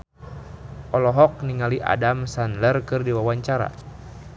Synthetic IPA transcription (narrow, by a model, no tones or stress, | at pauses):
ʔɔlɔɦɔk̚niŋaliʔa̰damsanlərkɨrdiwawaɲt͡ʃaɾa̰